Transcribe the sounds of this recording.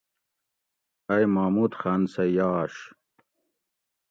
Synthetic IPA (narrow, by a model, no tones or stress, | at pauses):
ɐjmaːmut̪xaːnsɐjaːʂ